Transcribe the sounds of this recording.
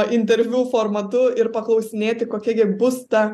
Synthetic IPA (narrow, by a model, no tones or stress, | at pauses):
ʔɪnʲt̪ʲɛɾʲʋʲuːfoːrmɐt̪ʊɪɾpɐklˠɐʊsʲɪnʲeːt̪ʲɪkoːkʲiɛɡʲɪbʊst̪ɐ